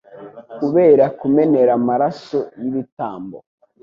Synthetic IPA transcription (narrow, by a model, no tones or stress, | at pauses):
kuβe̞ːɾakume̞ne̞ɾamaɾasojiβitaːmbo